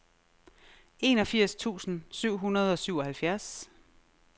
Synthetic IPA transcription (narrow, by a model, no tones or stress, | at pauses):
e̝nɒ̽fiɐ̰st͡sʰṵːsn̩syʊ̰ɦunɐð̞ˠɒ̽syʊ̰ɒ̽hælfjæɐs